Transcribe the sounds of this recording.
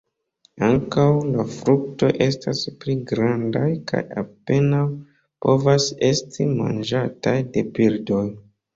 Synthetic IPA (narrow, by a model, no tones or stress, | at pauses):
aŋkawlafɾuk̚to̞̰jʔe̞staspliɡɾandajka̰ja̰pe̞naw | po̞vase̞stʰima̰nd͡ʒatajde̞pildo̞j